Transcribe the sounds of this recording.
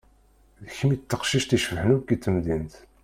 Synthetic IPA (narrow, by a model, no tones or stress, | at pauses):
ðəçəmit̪ːəqʃiʃt̪iʃfħənukːit̪ːəmðint̪